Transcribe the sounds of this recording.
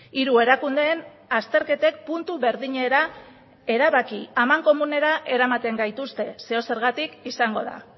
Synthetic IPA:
iɾue̞ɾakund̪e̞ːn | ast̪e̞ɾke̞t̪e̞k̚punt̪uβe̞ɾðiɲe̞ɾa | e̞ɾaβakiamaŋko̞mune̞ɾaʔe̞ɾamat̪e̞ŋɡajt̪ust̪e̞se̞o̞se̞ɾɣat̪ikisaŋɡo̞ða̰

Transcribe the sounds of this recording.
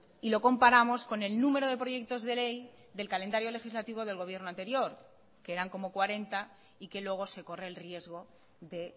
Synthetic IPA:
ilo̞ko̞mpaɾamo̞sko̞ne̞lnũme̞ɾo̞ð̞e̞pɾo̞ʝe̞k̚t̪o̞zðe̞le̞j | ðe̞lkale̞nd̪aɾjo̞le̞xizlat̪iβ̞o̞ðe̞lɣo̞βje̞ɾnoant̪e̞ɾjo̞ɾ | keeɾaŋko̞mokwaɾe̞nt̪a | ike̞lwe̞ɣ̞o̞se̞ko̞re̞ːlrje̞zɣ̞o̞ | ðe̞

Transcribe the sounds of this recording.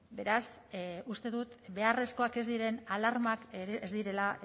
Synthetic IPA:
be̞ɾas | ust̪e̞ðut̪be̞are̞sko̞ake̞zd̪iɾe̞nalaɾmakezd̪iɾe̞la

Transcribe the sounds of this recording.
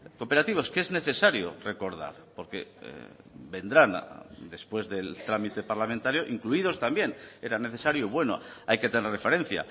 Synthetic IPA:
kope̞ɾat̪iβ̞o̞skee̞zne̞θe̞saɾjo̰re̞ko̞ɾða̰ɾpo̞ɾke̞̰ | be̞nd̪ɾand̪e̞spwe̞zðe̞lt̪ɾamit̪e̞paɾlamẽnt̪aɾjoʔiŋkluið̞o̞st̪ambje̞ne̞ɾane̞θe̞saɾjoβwe̞no̰ | ajket̪enerefe̞ɾẽ̞n̟θja̰

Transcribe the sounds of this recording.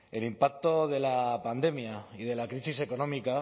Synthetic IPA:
e̞limpak̚t̪o̞ð̞e̞lapand̪e̞miaið̞e̞lakɾisise̞ko̞no̞mika

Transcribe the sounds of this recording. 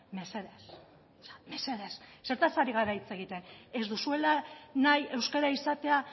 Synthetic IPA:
me̞se̞ðes | sme̞se̞ðesse̞ɾt̪asaɾiɣaɾait͡seɣ̞it̪e̞ne̞zd̪usue̞lanaje̞wskeɾaisat̪e̞a

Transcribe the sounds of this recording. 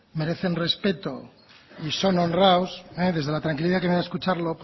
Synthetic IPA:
me̞ɾe̞θe̞nre̞spe̞t̪o | iso̞no̞nrawseðe̞zð̞e̞lat̪ɾaŋkiliðakemeaeskut͡ʃaɾlo̞p

